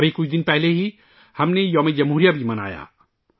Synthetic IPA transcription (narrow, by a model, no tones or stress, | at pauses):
bʱekʊt͡ʃʰd̪ɪnpɛɦleɦi | hɐmnejɔːmed͡ʒɐmɦuːɾijabʱimɐna̰ːja̰ː